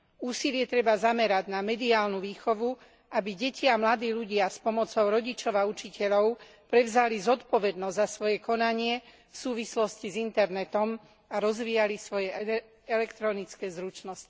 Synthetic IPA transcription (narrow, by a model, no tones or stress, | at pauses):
uːsilɪɛt̪ɾɛbazamɛɾaɟnamɛd̪iaːlnuʋiːxɔʋu | ʔabiɟɛciamlad̪iːʎuɟɪaspɔmɔt͡sɔʊɾɔɟit͡ʃɔʋaut͡ʃicɛʎɔʊ | pɾɛʋzalizɔt̪pɔʋɛd̪nɔzzasʋɔjɛkɔnaɲɪɛ | fsuːʋislɔscizint̪ɛɾnɛt̪ɔm | aɾɔzʋiːalisʋɔjɛ | ɛlɛkt̪ɾɔnit͡skɛːzɾut͡ʃnɔsci̥